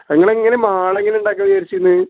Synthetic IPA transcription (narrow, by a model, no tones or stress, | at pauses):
eŋːɐɭeŋːɐnemaːɭeŋːɡɐneuɳɖaːk̬ːɐʋijaːɾit͡ɕːikːunːɨ